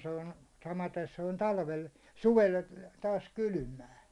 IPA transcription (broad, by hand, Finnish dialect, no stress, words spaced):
se on sɑmɑten se on tɑlʋel suʋel tɑːs kyly̆mæː